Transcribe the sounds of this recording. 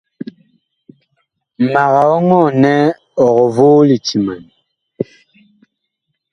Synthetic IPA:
ma˨ɣa˨ɔ˦ŋɔ˦˨nɛ˦ | ɔ˨ɣɔ˨vo˦li˨ti˨ma˨n˨

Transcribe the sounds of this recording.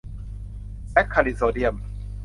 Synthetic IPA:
pɛ˦˥t̪̚kʰa˧li˨soː˧˩di˧ə˨m

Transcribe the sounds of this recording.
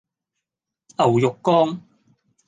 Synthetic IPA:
ʔɐ˨˩wjʊ˨kːɔː˥ŋ

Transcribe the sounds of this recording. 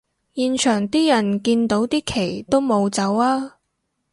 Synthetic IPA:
jiː˨nt͡ʃʰœː˨˩ŋt̪iː˥jɐ˨˩nkiː˧nt̪o˨˥wt̪iː˥kʰe˨˩jt̪o˥wmo˨˧wt͡sɐ˨˥waː˥

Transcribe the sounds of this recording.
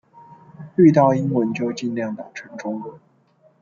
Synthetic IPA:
ly˥˧t̪ɑ˥˩ʊi˥nwə˧˥nt͡ɕjo˥˧ʊt͡ɕi˥˧nljɑ˥˩ŋt̪ɑ˨˩ʈ͡ʂʰɤ˧˥ŋʈ͡ʂʊ˥ŋə˧˩˦

